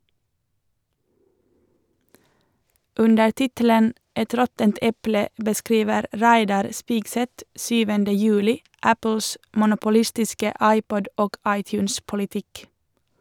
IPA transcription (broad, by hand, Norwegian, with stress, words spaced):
ˈʉndə ˈʈɪtələn ˈɛt ˈɾɔtənt ˈɛplə bəˈskɾiːʋəɾ ˈɾæɪdɑɾ ˈspɪɡsɛt ˈsyːʋəndə ˈjʉːlɪ ˈæpl̩s mʊnʊpʊˈlɪstɪskə ˈɑɪˌpɔd ˈoːɡ ˈɑɪˌtjʉːns pʊlɪˈtɪk